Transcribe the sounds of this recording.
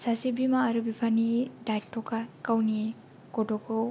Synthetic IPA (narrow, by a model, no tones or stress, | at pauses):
sasibimaːɾubipʰanidajk̚tʰɔkakawni | kɔdɔkɔ